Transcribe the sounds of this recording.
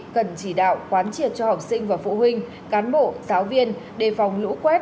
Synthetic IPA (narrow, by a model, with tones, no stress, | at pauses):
kə˨˩nt͡ɕi˧˩ɗa̰ː˧˨wkwaː˨˦nt͡ɕi˨˩ət̚t͡ɕɔ˧ha˨˩wk͡p̚sï˧ŋ̟vaː˨˩fṵ˧˩ɦï˧ŋ̟ | kaː˨˦nɓo̰˧˨zaː˨˦wvi˧ən | ɗe˧˩fa˨˩wŋ͡mlṵ˧˥kwɛ˦˥t̚